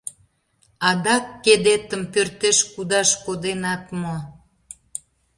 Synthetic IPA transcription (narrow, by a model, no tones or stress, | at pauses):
ɑd̪ɑkːed̪et̪əmpørt̪eʃkud̪ɑʃkod̪enɑt̪mo